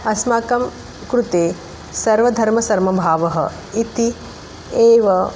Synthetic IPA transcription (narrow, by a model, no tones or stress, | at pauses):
ɐsmaːkɐm | kɾut̪eː | sɐɾʋɐd̪ʱɐɾmɐsɐɾmɐbʱaːʋɐɦɐ̰ | it̪i | eːʋɐ